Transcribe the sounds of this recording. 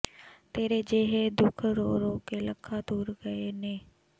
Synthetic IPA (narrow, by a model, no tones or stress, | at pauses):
t̪eːɾed͡ʒeːɦed̪ʊkʰɾoːɾõːkeləkʰːad̪uːɾɡəeneː